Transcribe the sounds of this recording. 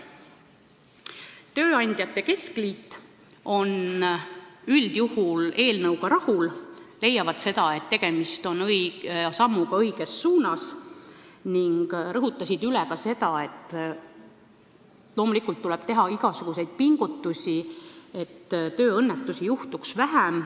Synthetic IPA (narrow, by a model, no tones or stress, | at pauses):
t̪ø̞ːɑnʲd̪̥jɑt̪ːe̞ke̞sklit̪ːˑ | o̞n | yld̪̥juhule̞ːlnɤwɡɑɾɑhulle̞jːɑvɑd̪̥se̞d̪̥ɑe̞t̪ːe̞ɡ̥e̞mist̪o̞nɤjsɑmːuɡ̥ɑɤjɡ̥esːuːnɑs | niŋɡ̥rɤɦut̪ːˑɑsʲid̪̥ylɛkɑse̞d̪̥ɑe̞t̪ːˑ | lo̞ːmulikːˑult̪ːulɛb̥̚t̪e̞ɦɑiɡ̥ɑsuɡ̥use̞jd̪̥̚piŋɡ̥ut̪ːusʲie̞t̪ːt̪ø̞ːɤnːet̪ːˑusijuht̪uksvæɦæm